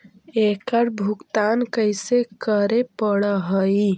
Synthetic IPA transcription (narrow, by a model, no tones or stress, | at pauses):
ekəɾbʱukt̪ankəjsekəɾepəɽəɦəi